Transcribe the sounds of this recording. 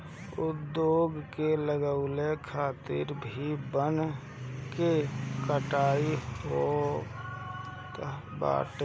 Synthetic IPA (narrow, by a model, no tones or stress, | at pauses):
ʊd̪ːjoːɡkeləɡəʊlekʰaːt̪ɪ̰ɾbʱibən | kekəʈaːio | ba̰ːʈ